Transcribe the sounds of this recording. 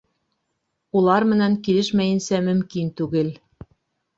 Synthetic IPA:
ulˠɑɾmɘ̆nænkilɘʃmæjɘ̆nsæmɘ̆mkint̪ʉɣɘ̆lʲ

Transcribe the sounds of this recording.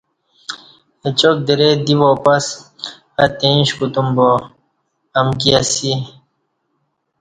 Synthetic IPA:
et͡ɕok̚d̪eɾed̪iʋopɐs | at̪eĩɕkut̪umbo | ɐmk̬iasi

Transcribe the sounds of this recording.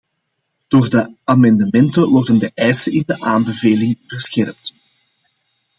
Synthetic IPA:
d̥oːrdəamɑndəmɛntəʋɔrdəndəʔɛjsəɪndəʔaːnbəveːlɪŋvərsxɛrp̚t

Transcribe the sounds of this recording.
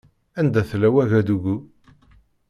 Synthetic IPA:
ænd̪æθlæwæʝæd̪uɡu

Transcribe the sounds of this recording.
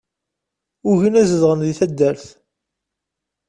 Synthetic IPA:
ʊʝinæzəðʁənðiθæd̪ːəɾθ

